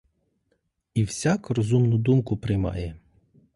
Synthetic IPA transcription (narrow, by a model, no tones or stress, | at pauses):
iwsʲɑkrɔzumnʊd̪umkʊpɾɪjmɑ̰jɛ